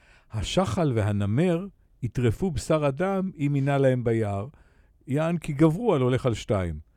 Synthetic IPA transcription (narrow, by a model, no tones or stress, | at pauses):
haʃaχalveɦaname̞ʁ | itʁefubesaʁadamiminalae̞mbajaʁ | jaːnkiɡavʁualo̞le̞χalʃtaim